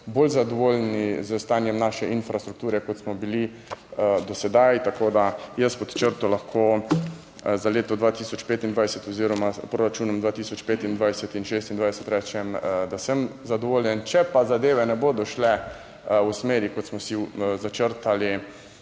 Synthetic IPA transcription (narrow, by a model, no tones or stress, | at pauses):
boːlzad̪ɔʋoːlnizəst̪aːnjɛmnaːʃɛʔinfɾast̪ɾuk̚t̪uːɾɛkɔt̪smɔbili | d̪ɔsɛd̪ajt̪akoːd̪ajəspɔt̪t͡ʃəɾt̪ɔlaxkʰo | zaleːt̪ɔd̪ʋaːt̪iːsɔt͡ʃpeːt̪ind̪ʋajsɛt̪ɔziːɾɔmapɾoːɾat͡ʃuːnɔmd̪ʋaːt̪iːsɔt͡ʃpeːt̪ind̪ʋajsɛt̪inʃeːst̪ind̪ʋajsɛt̪ɾɛt͡ʃɛmd̪asəmzad̪ɔʋoːljɛnt͡ʃɛpazad̪eːʋɛnɛboːd̪ɔʃlɛ | usmeːɾikɔt̪smɔsizat͡ʃəɾt̪ali